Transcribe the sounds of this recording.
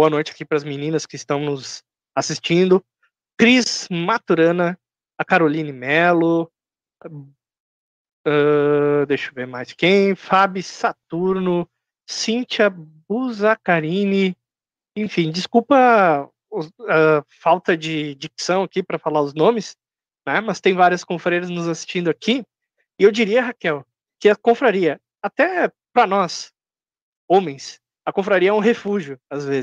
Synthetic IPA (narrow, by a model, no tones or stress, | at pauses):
boɐnojt͡ʃɪḁkipɾɐzminĩnɐskɪɪst̪ɐ̃w̃nʊz | asist͡ʃĩnd̪ʊ | kɾizmat̪uɾɐ̃nɐː | kaɾolĩnɪmɛlʊ | ɛd̪ejʃʊveɾmajskẽj̃fabisat̪uɾnʊ | sĩnt͡ʃɐbuzakaɾĩnɪ | ẽfĩd͡ʒɪskupɐ | ʊafawt̪ɐd͡ʒɪd͡ʒiksɐ̃w̃akipɾɐfalaɾʊznõmɪs | nɛmɐst̪ẽj̃vaɾiɐskõfɾejɾɐznʊzasi̥st͡ʃĩnd̪ʊaki | ɪewd͡ʒiɾiɐɦakɛw | kɪɐkõfɾaɾiɐ | at̪ɛ | pɾɐnɔs | õmẽj̃s | ɐkõfɾaɾiɐɛũɦefuʒjʊazvez